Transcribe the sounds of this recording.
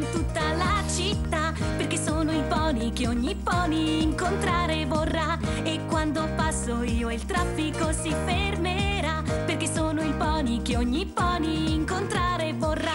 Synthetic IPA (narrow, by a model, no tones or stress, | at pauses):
nt̪ut̪ːalat͡ʃit̪ːaperkesːoːnoilpɔːnikeoɲːipɔːniːŋkont̪ɾaːɾevorːaekːwand̪opasːoiːoilt̪ɾafːikosifermeɾaperk̟esːoːnoilpɔːnikeoɲːipɔːniːŋkont̪ɾaːɾevorːa